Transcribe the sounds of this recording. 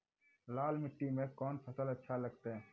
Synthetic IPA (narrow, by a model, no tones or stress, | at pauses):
laːlmɪʈːimẽkɔːnpʰɐsəlɐtːʃʰalɐɡ̚t̪eɦɛ̃ː